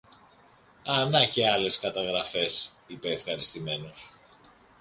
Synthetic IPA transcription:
ɐnɐce̞ɐle̞skɐt̪ɐɣɾɐfe̞sipe̞ːfxɐɾist̪ime̞no̞s

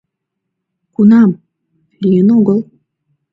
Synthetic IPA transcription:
kunɑm | lijənoɡəlˠ

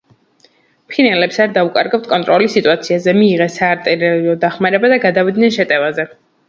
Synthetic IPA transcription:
pʰinɛlɛpsaɾd̪aukʼa̰ɾɡapt̪ʰkʼɔnt̪ʼɾɔlisit̪ʼuat̪sʰiazɛmiːʁɛsaːɾt̪ʼɛɾɛliɔd̪aχmaɾɛbad̪aɡad̪avid̪nɛnʃɛt̪ʼɛvazɛ

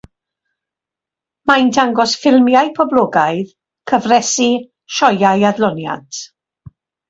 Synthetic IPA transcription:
majndʰaŋɡɔsfɪlˠmjaɨpʰɔblˠɔːɡaɨð | kʰəvrɛsi | ʃɔjajadlˠɔnja̰d

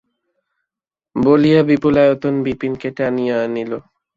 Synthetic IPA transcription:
bolijabipulajot̪onbipinkeʈeanijaanilo

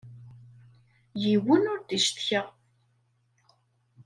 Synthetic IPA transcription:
jiwənʊɾd̪iʃt̪çəʁ

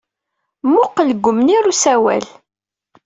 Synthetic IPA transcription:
mʊqələɡʷːʊmniɾusæwæ̰l

